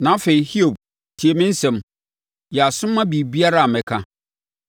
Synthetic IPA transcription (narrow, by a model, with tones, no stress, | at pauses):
nã˨˦fe˨i˨hi˦o˨b̚ | tʰi˨e˨mɪ̃˦n̩˦sɛ̃˨m | jɛ˨a˨sʊ̃˦mːã˦bi˨bi˦a˦ɾa˦a˨mɛ̃˨kʰã˦